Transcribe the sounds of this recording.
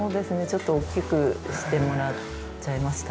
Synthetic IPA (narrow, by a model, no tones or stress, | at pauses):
o̞ːd̪e̞sɨne̞t͡ɕo̞t̪ːo̞ːkʲːikɯ̟ɕi̥t̪e̞mo̞ɾa | t͡ɕaimaɕi̥t̪a